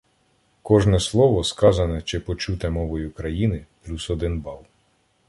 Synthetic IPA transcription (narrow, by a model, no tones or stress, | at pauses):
kɔʒnɛslˠɔʋɔskɑzɐnɛt͡ʃɪpɔt͡ʃut̪ɛmɔʋɔjʊkɾɐjinɪplʲusɔd̪ɪnbɑlˠ